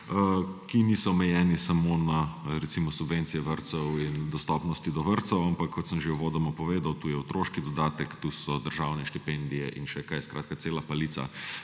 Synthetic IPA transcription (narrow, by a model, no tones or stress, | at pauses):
əkinisɔːmɛjɛːnisamonaɾɛt̪simɔsubʋent̪sijɛʋəɾt̪sɛwind̪ɔst̪ɔpnɔst̪id̪ɔʋəɾt̪sɛwampakʰːɔt̪səmʒeuʋoːd̪ɐmɔpɔʋeːd̪awt̪uːjɛwt̪ɾoːʃkid̪ɔd̪aːt̪ɛkt̪usɔd̪əɾʒawnɛʃt̪ipɛnd̪ijɛʔinʃɛkajskɾaːt̪̚kat̪seːlapaliːt̪sa̰